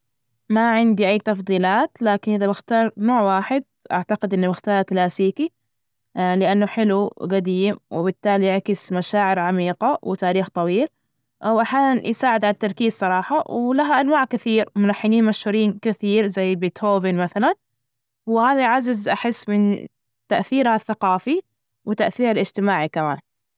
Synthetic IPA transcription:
maʕɪnd̪iʔajːt̪ɑfd̪ˤiːlaːt̪laːkɪnʔɪðabɪxt̪ɑːɾˤnoːʕwaːħɪd̪̚ʔa̰ʕt̪aɡɪd̪ʔɪnːabɪxt̪ɑːɾˤklaːsiːki | lɪʔanːʊħɪluɡad̪iːmwɪbɪt̪ːaːlijɪʕkɪsmaʃaːʕɪɾʕamiːqawɪt̪aːɾiːxt̪ˤɑwiːl | ʔwʔaħjaːnanjɪsaːʕɪd̪ʕalat̪ːɑɾˤkiːzsˤɑɾˤɑːħɑwlaɦaʔanwaːʕkɪθiːɾmʊlaħːɪniːnmaʃhʊɾiːnkɪθiːɾzajːbɪːt̪hoːvɪnmaθalan | wɪhaːðaʕazazʔaħɪsːmɪn | t̪aʔθiːɾhaθːaqɑːfi | wɪt̪aʔθiːɾalʔɪd͡ʒt̪ɪmaːʕikamaːn

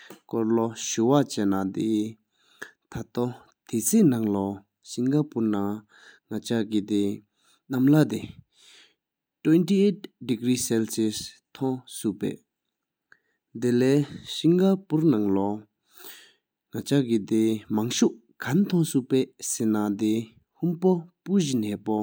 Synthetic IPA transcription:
kɔɹlɔɕuwat͡ɕɛnat̪e | t̪ʰat̪ɔ | t̪ʰet͡sʰeːnaŋlɔ | ɕiŋɡapuna | ŋat͡ɕaʔkit̪e | namlat̪e | twentiet̚dikɹiːsɛlses | t̪ʰɔŋsuʔpɛ̰ː | d̪elɛːɕiŋɡapuɹnaŋlɔ | ŋat͡ɕaʔkit̪emaŋɕuʔ | kʰant̪ʰɔŋsupɛːsenat̪e | humpopuʑinɛːpɔ

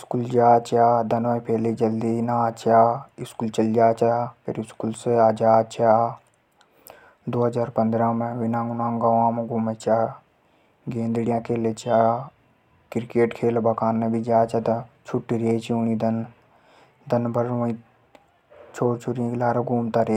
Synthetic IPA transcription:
ɪskuld͡ʒaːt͡ʃaːd̪ɐnʋɐ̃ĩpeːled͡ʒɐld̪inaːt͡ʃaːɪskuːlt͡ʃɐld͡ʒaːt͡ʃapʰɪ̰ɾɪskulseaːd͡ʒaːt͡ʃaː | d̪oːɦɐzaːɾpɐ̃nd̪ɾaːmẽʋɪnãːɡʊnãːŋɡaʋãːmeɡuːmet͡ʃaː | ɡẽːnd̪ɽijãːkeːlet͡ʃaː | kɪɾkeːʈkʰeːlbɐkaːnːebʱid͡ʒaːt͡ʃat̪t͡ʃʰʊʈːiɾeːt͡ʃiuñid̪ɐn | d̪ɐnbəɾʋɐ̃ĩ | t͡ʃʰoːɾt͡ʃʰuɾijãkilaːɾaɡʱuːmt̪aɾe

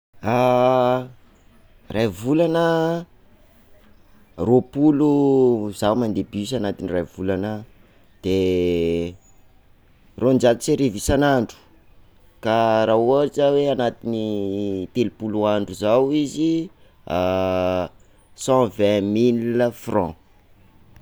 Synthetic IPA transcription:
a | rajvulanə | ropuluzawmand̪ebisanat̪inirajvulanə | d̪̥e | rond͡ʒat̪iseɾevisanaɳɖ͡ʐu̥ | kaɾaoʈ͡ʂəweanat̪init̪elupuluaɳɖ͡ʐuzawizi | a | sɑ̃vɛ̃milfrɔ̃

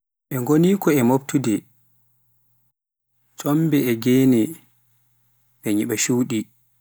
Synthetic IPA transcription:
ʔɛŋɡoniːkɔɛmop̚tudɛ | sɔmbɛɛɡeːnɛ | bɛɲiɓaʃuːɗi

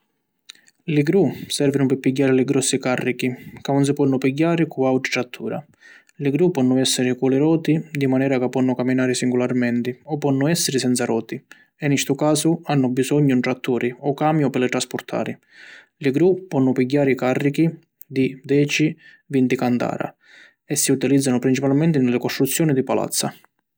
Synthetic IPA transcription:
lɪɡɾusɛrvinʊpɪpːiɟːaːɾɪlɪɡɾɔsːikarːikikamɔns̬ɪpɔnːʊpiɟːaːɾɪkuawʈ̪ɾi̥t̪ɾat̪ʰːuːɾa̰ | lɪɡɾupːɔnːʊɛsːɪɾɪkulɪɾɔːt̪id̪imanɛːɾakapːɔnːʊkamːinaːɾɪsiŋɡularmɛnt̪ɪɔpːɔnːʊɛsːɪɾɪsɛnt̪saɾɔːt̪i | ɛnist̪ʊkaːsʊanːʊbisɔɲːʊnʈ̪ɾat̪ʰːuːɾʔɪɔkaːmjʊpɪlɪt̪ɾaspʊrt̪ʰa̰ːɾɪ | lɪɡɾupːɔnːʊpiɟːaːɾɪkarːiki | d̪id̪ɛːt͡ʃi | vint̪ikant̪a̰ːɾa̰ | ɛsːiut̪ilid̪zːanʊpɾint͡ʃipalmɛnt̪ɪnɪlːɪkɔst̪ɾut̪sːjɔːnid̪ipala̰t̪sːa

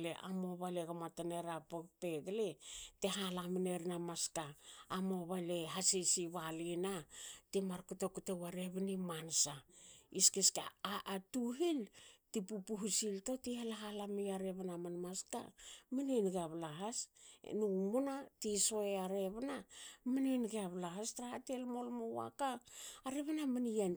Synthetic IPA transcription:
leʔa̰moβaleɡamataneɾapokpe̞ɡleteɦalamineɾinamaskaːmoβaleɦasisiβalinatimaɾkutokutewaɾeβinimansaiskiskaʔːtuɦiltipupuɦusilto̞tihalaɦalamiaɾeβanamanmaska̰mininɡaβlaɦasnumunatiso̞eaɾe̞βnamininɡeaβlaɦastɾahatelmo̞lmowa̰kaːɾeβanaminijan

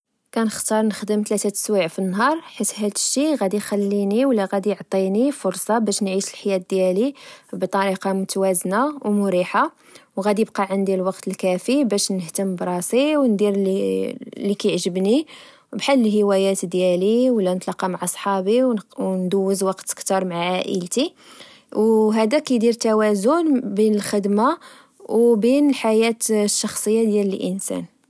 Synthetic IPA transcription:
kænəxt̪ɑɾˤnəxd̪əmt̪læt̪æt̪ə̥swiʕfinːɦɑɾˤħit̪ɦæd̪ʃːiɣæd̪ixælːiniwlːæɣæd̪ijʕt̪ˤːinifʊɾsˤɑbæʃnʕiʃəlħajæt̪̚d̪jælibt̪ˤɑɾiqɑmʊt̪wæznawmʊɾiħa | wɣæd̪ijəbqɑʕənd̪ilwɑqt̪əlkæfibæʃnəht̪əmbɾˤɑsiwnd̪iɾ | lːikæjʕʒəbni | bħalːəlhəwæjæt̪d̪jæliwlːænət̪lɑqːɑmaʕʔɑsˤħɑbiwwnd̪əwːəzwɑqt̪kt̪ɑɾˤmaʕʕaʔə̰lt̪i | wɦæd̪ækæjd̪iɾt̪æwæzʊnbinəlxəd̪ma | wbinəlħajæt̪ʃːɑxsˤəjːad̪jæləlʔənsæ̰n

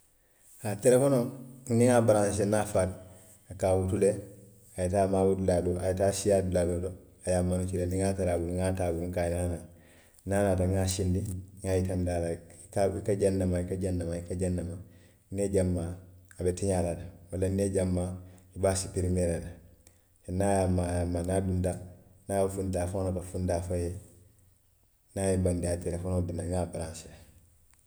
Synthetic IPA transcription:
hateɾefonoŋniŋabaɾãnsenafal | akawutule | ajitaːmawutuladoʔajitasijaduladodo | ajamːanut͡ʃileniŋataɾabuŋatabuukajinana | naːnadaŋasindiŋajitamdalakaikaɟanːamaikaɟanːamaikaɟanːama | neɟamːaabetiɲaladamalanːeɟamːaibaːsipiɾimeɾada | fenajamːajamːaːnaːdundanaafundafonotafundaːfaje | najebandiatiɾafonodunaŋaːbaɾãnsa

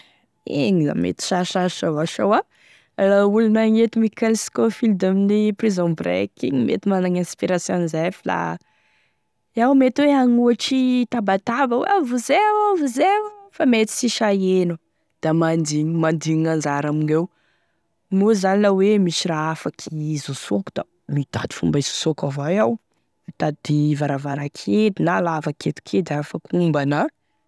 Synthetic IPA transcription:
eɲiza̰mḛt̪i̥ʃaʃaʃavaʃowa | laulunaŋet̪imikɛlsi̥kofild̪aminiprizõbrḛkiɲmḛt̪imanaŋãspiɾasjõnizajfila̰ | awmet̪iweaŋuaʈ͡ʂit̪abat̪abəwḛavuzewavuzewfamet̪i̥siʃaenu | d̪̥amand̪imand̪iɲiŋand͡ʒaɾaminew | nuzanilawemisiraafakʰizusoku̥d̪̥a | mid̪̥a̰d̪i̥fṵmbaizo̥sokavajaw | t̪ad̪̥ivaɾavaɾakʰet̪inalavaket̪u̥kʰed̪afakumbanə

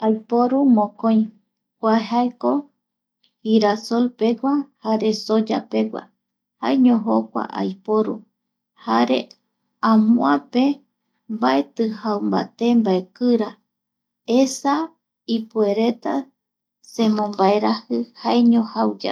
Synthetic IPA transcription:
ajpoɾumõkõj̃ | kʷaɦaeko | hiɾasolpe̞ɡʷahaɾe̞sod͡ʒa̰pe̞ɡʷa̰ | ha̰eɲõɦokʷa̰ʔa̰jpoɾu | haɾe̞̰ | ãmũape | mbaet̪ɨhawmba̰t̪e̞mbaekɨɾa | esa | ipue̞ɾe̞t̪a | sẽ̞mõmbaeɾahɨhaeɲõhawd͡ʒa̰

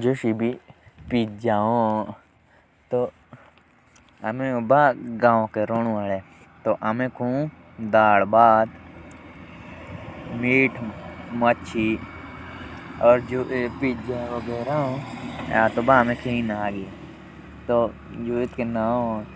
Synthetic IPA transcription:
d͡ʒoʃibʱipiːt̪̚d͡ʒaːɦõ | t̪o | ɐmẽbaɡãːõkeɾoːnũale | t̪oʔɐmẽkʰũː | d̪aːɽbaːd̪ | miːʈʰmətːt͡ʃʰi | ɔːɾd͡ʒoːʔepiːt̪̚d͡ʒãːʋoɡeːɾaõaːt̪obaɐmẽkʰeĩnaaɡe | t̪o | d͡ʒoːet̪kenaːõ

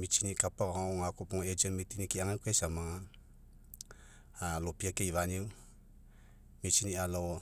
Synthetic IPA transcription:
mit͡ʃinikapaɣaŋakupuŋoed͡ʒənmit̪inikiaŋakwesamaŋa | alopiakeivaniu | mit͡ʃinialo

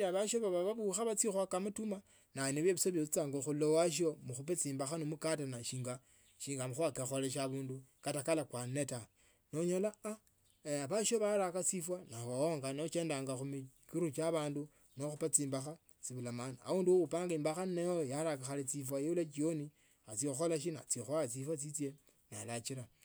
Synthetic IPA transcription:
aβaʃoβaβaβaβuxaβat͡sixwakamatuma | naneβjeβisoβet͡saːŋɡoxulowaʃ̬omuxupet͡siːmbaxanomukatanaʃiːŋɡa | ʃiːŋɡamuxakexoleʃ̬aβuːndukatakalakwaneta | noɲolaa | βaʃoβaɾakat͡sifwanaawoŋɡanot͡ʃeːndaːŋɡaxumikiɾut͡ʃaβaːndu | noxupat͡siːmbaxa | t͡siβulamania̰uːnduwupaːŋɡiːmbaxanejojalakaxalit͡sifwajeulat͡ʃioni | at͡sioxolaʃ̬ina̰t͡sioxoat͡sifwat͡sit͡sje | nalat͡ʃiɾa

